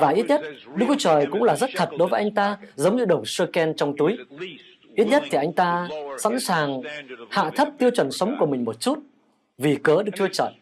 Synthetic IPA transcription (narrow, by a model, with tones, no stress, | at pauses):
vaː˨˩ʔi˦˥t̚ɲə˦˥t̚ɗɨ˧˥kt̪ʰu˧t͡ɕəː˨˩jkʊ̰˧˥ŋ͡mlaː˨˩zə˦˥t̚t̪ʰə˨˩t̚ɗo˨˦jvəː˨˦jʔa˧jŋ̟t̪aː˧zə˨˦wŋ͡mɲɨ˧ɗə˨˩wŋ͡msɨ˧kɛ˧nt͡ɕɔ˧wŋ͡mt̪u˨˦j | ʔi˦˥t̚ɲə˦˥t̚t̪ʰi˨˩ʔa˧jŋ̟t̪aː˧sa̰˧˥nsaː˨˩ŋha̰ː˧˨t̪ʰə˦˥p̚t̪i˧əwt͡ɕwə˨˩nsə˨˦wŋ͡mku˧˩əmï˨˩ŋ̟mo˨˩t̚t͡ɕu˦˥t̚ | vi˨˩kəː˨˦ɗɨ˦˥kt̪ʰɨ˧ət͡ɕə̰ː˧˩j